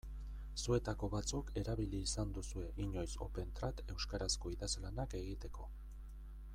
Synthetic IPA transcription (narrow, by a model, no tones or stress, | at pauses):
sue̞t̪ako̞βat͡suke̞ɾaβiliːsand̪usue̞ʔiɲo̞jso̞̰pe̞nt̪ɾat̪e̞wskaɾasko̞iðazlanake̞ɣit̪e̞ko̞